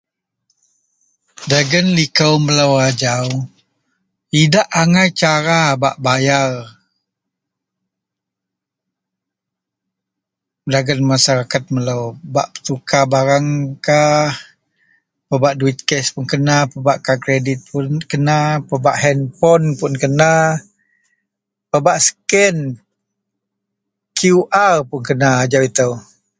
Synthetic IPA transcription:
daɡənlikawməlawad͡ʒaw | idaʔaŋajt͡ʃaɾaba̰ʔbajar | daɡənmasaɾakat̪̚məlawba̰ʔpə̥t̪ukabaɾaŋkah | pəbaʔduwit̪̚kɛspunkənapəbaʔkakɾedit̪̚pʊnkənapəbaʔhɛnpɔnpʊnkəna | pəbaʔsə̥kɛn | kʰuʔarpʊnkənad͡ʒawit̪əw

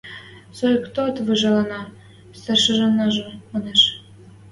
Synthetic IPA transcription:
sojkt̪ot̪vɯʒɑlɑnɑ | st̪ɑrʃɤ̆ʒɑnːɑʒomoneʃ

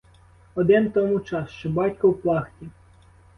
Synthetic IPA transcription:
ɔd̪ɪnt̪ɔmut͡ʃɑsʃt͡ʃɔbɑtʲkɔwplˠɑxtʲi

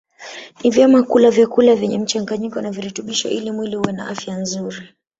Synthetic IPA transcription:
nivjɛmakulavjakulavjɛɲɛm̩t͡ʃaŋɡaɲikɔnaviɾɛtuɓiʃɔ̰ʔilimwilihuwɛna̰ʔafjanzuɾi

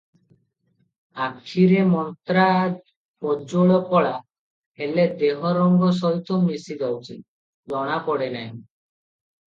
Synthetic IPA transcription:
akʰːiɾemɔnt̪ɾa | pɔd͡ʒoɭɔpɔɭa | ɦeled̪eɦɔɾɔŋɡɔs̬ɔjt̪ʰɔmisid̪ɔwt͡ʃʰi | bɔɽ̃apɔɽenɛj

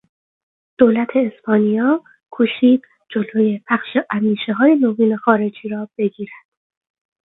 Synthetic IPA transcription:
d̪̥oːlæt̪ʰe̞ːspɒːnijɒː | kʰuːʃiːd̪̥ | d͡ʒoloje̞pʰæxʃeʔæmd̪iːʃeɦɒːje̞noviːne̞xɒːɾe̞d͡ʒiːɾɒːb̥e̞ɡiːɾæd̪̥

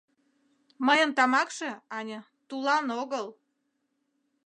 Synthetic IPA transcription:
məjənt̪ɑmɑkʃe̽ɑnʲə | t̪ulɑnoɣəl

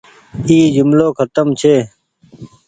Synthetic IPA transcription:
iːzʊmloːkʰət̪əmt͡ʃʰeː

